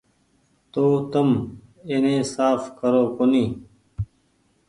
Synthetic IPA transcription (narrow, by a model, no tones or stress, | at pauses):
t̪oːt̪ɐmenẽːsaːfkəɾoːkoniː